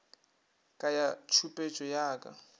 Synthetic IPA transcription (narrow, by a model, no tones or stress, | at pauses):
kʼajat͡ʃʰupʼet͡ʃʼɔjaːkʼa̰